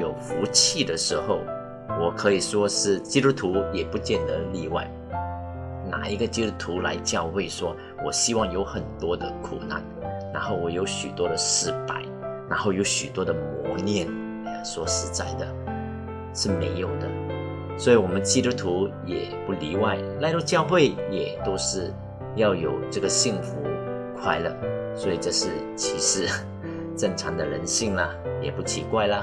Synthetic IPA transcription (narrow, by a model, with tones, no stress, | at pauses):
jo˨˩ʊfu˧˥t͡ɕʰi˥˩d̪ə˩ʂɻ̩˧˥xo˥˩ʊ | wɔ˨˩kʰɤ˧˥i˨˩ʂwɔ˥ʂɻ̩˥˩t͡ɕi˥t̪u˥t̪ʰu˧˥jɛ˨˩pu˧˥t͡ɕjɛ˥˩nd̪ə˧˦li˥˧wa̰˥˩ɪ | na̰˨˩i˧˥ɡə˧t͡ɕi˥t̪u˥t̪ʰu˧˥la̰˧˥ɪt͡ɕjɑ˥˧ʊxwe˥˩ɪʂwɔ˥ | wɔ˨˩ɕi˥wɑ˥˩ŋjo˧˥ʊxə˨˩nt̪wɔ˥d̪ə˨kʰṵ˨˩na̰˥˩nna˧˥nxo˥˩ʊwɔ˨˩jo˧˥ʊɕy˨˩t̪wɔ˥ɾə˨ʂɻ̩˥˧pa˥˩ɪna˧˥nxo˥˩ʊjo˧˥ʊɕy˨˩t̪wɔ˥d̪ə˨mwɔ˧˥njɛ˥˩n˨˩ | swɔ˨˩ʂɻ̩˧˥t͡sa˥˩ɪd̪ə˩ | ʂɻ̩˥˩me˧˥ɪjo˨˩ʊd̪ə˦ | swɔ˧˥i˧˥wɔ˨˩mə˦nt͡ɕi˥t̪u˥t̪ʰu˧˥jɛ̰˨˩pu˥˩li˧˥wa˥˩ɪla˥˧ɪlɔ˥˧t͡ɕjɑ˥˧ʊxwe˥˩ɪjɛ˨˩t̪o˥ʊʂɻ̩˥˧ | jɑ˥˩ʊjo˨˩ʊʈ͡ʂɤ˥˩ɡə˩ɕi˥˩ŋfṵ˧˥ | kʰwa˥˧ɪlə̰˥˧˩swɔ˧˥i˨˩ʈ͡ʂɤ˥˧ʂɻ̩˥˩ | t͡ɕʰi˧˥ʂɻ̩˧˥ | ʈ͡ʂɤ˥˩ŋʈ͡ʂʰɑ˧˥ŋd̪ə˨ɻə˧˥nɕi˥˩ŋlə˩jɛ̰˨˩pu˥˩t͡ɕʰḭ˧˥kwa˥˩ɪlə˩